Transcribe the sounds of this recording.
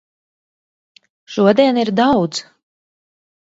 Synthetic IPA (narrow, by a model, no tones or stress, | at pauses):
ʃuɔd̪iɛniɾd̪awd̪z